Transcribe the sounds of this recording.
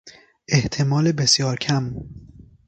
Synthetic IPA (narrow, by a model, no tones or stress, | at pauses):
ʔe̞ht̪ʰemɒːlebesjɒːɾcʰæm